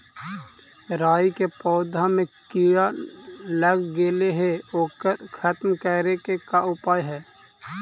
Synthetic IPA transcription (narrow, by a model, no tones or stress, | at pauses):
ɾaːikepɔːd̪ʱamẽkijaləɡɡeːleɦeoːkəɾkʰət̪mkəɾekekaʊpaːjɦɛː